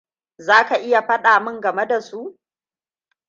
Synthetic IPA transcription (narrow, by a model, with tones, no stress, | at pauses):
zaː˦ka˨ʔɪ˦ja˨ɸɐ˦ɗaː˨mɪ˦ŋɡɐ˨me˦da˨su˦